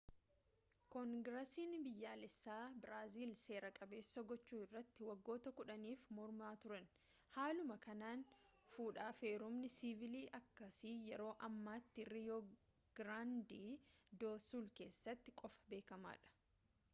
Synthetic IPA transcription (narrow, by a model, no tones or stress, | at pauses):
kɔŋɡɾɐsiːnbɪjːaːlɛsːaːbɪɾaːziːlse̞ːɾɐkʼɐbe̞ːsːɐɡɔt͡ʃːuːɪrːɐt̪ːɪwɐɡːo̞ːt̪ɐkʊᶑɐniːfmɔɾmaːt̪ʊɾɐn | haːlʊmɐkɐnaːn | fuːᶑaːfeːɾʊmnɪsivɪliːʔɐkːɐsiːjɛɾo̞ːʔɐmːaːt̪ːɪɾijoː | ɡ̥ɾaːnd̪iːd̪o̞ːsuːlke̞ːsːɐt̪ːɪkʼɔfɐ̥be̞ːkɐma̰ːᶑɐ̥